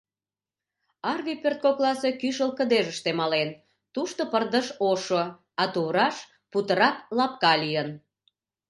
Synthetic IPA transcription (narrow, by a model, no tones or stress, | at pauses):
ɑrvijpørt̪̚koklɑse̽kyʃəlkəd̪eʒəʃt̪emɑlen | t̪uʃt̪opərd̪əʃoʃo | ɑt̪uβɾɑʃ | put̪əɾɑklɑp̚kɑlʲijən